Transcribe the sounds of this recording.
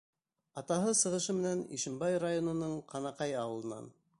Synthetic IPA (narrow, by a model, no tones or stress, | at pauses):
ɑt̪ɑɦɤsɤ̆ʁɤ̆ʃɤmɘ̆nænḭʃɘ̆mbɑjrajonŏnɤɴqʰɑnɑqɑjɑwɤ̆lˠɤ̆nɑ̰n